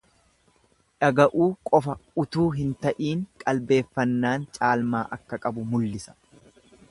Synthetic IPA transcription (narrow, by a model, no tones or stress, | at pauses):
ᶑɐɡɐʔuːkʼɔfɐʊt̪uːɦɪnt̪ɐʔiːŋkʼɐlbe̞ːfːɐnːaːnt͡ʃʼaːlmaːʔɐkːɐkʼɐbʊmʊlːɪsɐ̥